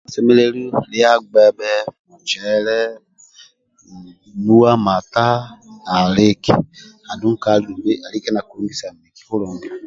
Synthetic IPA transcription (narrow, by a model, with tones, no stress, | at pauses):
sɛ˦mɛ˦lɛ˦li˦˨li˦a˦ɡ͡bɛ˦bɛ˦mu˨t͡ʃɛ˨˦lɛ˦˨ | nu˦wa˦ma˨ta˦na˨le˦kḭ˨ | a˨du˦ŋ̩˦ka˦li˦u˨be˦a˨li˦kɛ˦na˨ku˨u˦nɡi˦sa˨mi˨ki̥˨ho˦lɔ˨ŋɡi˨